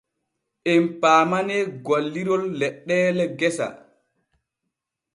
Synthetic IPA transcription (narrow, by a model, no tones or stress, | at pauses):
ʔɛmpaːmanɛɡalːiɾɔlːɛɗːɛːlɛɡɛsa̰